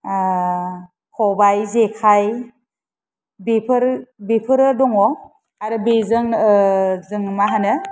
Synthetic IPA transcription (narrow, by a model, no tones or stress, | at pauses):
kʰɔbajzekʰaj | bepʰɯɾbepʰɯɾɯdɔŋɔ | aɾɯbezɯŋ | zɯŋmaɦanɯ